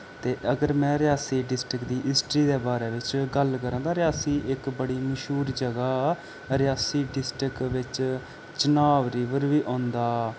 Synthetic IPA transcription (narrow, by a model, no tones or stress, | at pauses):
t̪eːʔəɡəɾmɛ̃ːɾɪjaːsiːɖɪsʈɪkd̪iːɦɪsʈɾiːd̪eːbaːɾeːʋɪt͡ʃɡəlkəɾəãːd̪aːɾɪjaːsiːʔɪkbəɽiːməʃuːɾd͡ʒəɡaː | ɾɪjaːsiːɖɪsʈɾɪkʋɪt͡ʃ | t͡ʃənaːʋɾiːʋəɾʋiːʔɔ̃ːnd̪aː